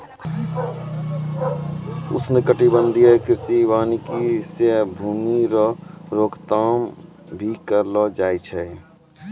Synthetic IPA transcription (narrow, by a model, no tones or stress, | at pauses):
ʊ̰snɪkəʈibənd̪ʱijəkɪɾsiʋaːnikisebʱuːmiɾɔɾoːkt̪aːm | bʱikəɾlɔd͡ʒaːjt͡ʃʰɛ